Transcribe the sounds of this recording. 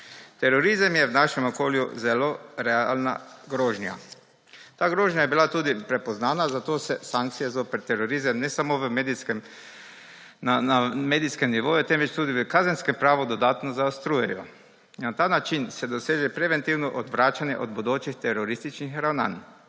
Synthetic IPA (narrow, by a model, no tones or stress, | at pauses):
t̪ɛɾɔɾizamjɛwnaʃɛmɔkoːljṵzɛloɾɛa̰lna̰ɡɾoːʒnja̰ | t̪aːɡɾoːʒnjajɛbilat̪uːd̪ipɾɛpɔznaːnazat̪oːsɛsaŋk̚t̪sijazoːpɛɾt̪ɛɾoɾizamnɛsamoʋəmeːd̪iskɛm | naameːd̪iskɛmniʋoːjɛt̪ɛnʋɛt͡ʃt̪uːd̪iʋəkazenskɛmpɾaːʋɔd̪ɔd̪aːt̪nɔzaost̪ɾuːjɛjɔ | nat̪aːnat͡ʃinsɛd̪ɔseːʒɛpɾɛʋɛnt̪iwnɔʔɔd̪ʋɾaːt͡ʃanjɛ̰ʔɔd̪bod̪oːt͡ʃixt̪ɛɾɔɾist̪it͡ʃnixɾawna̰ːn